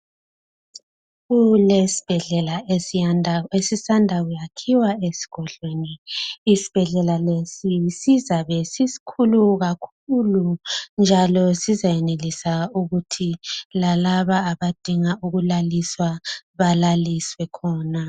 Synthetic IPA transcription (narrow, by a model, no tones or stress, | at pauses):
ɣulesi̥b̥ʱɛɮɛlae | esisandʱaɣujakʰiwaesi̥ɡ̥ʱɔɮweniːsi̥b̥ʱɛɮɛlalesisizaβesisi̥kʰuluɣakʰulund͡ʒʱalɔsizajɛnelisauɣutʰilalaβaːβad̥ʱiŋauɣulaliswaβalaliswɛkʰɔːna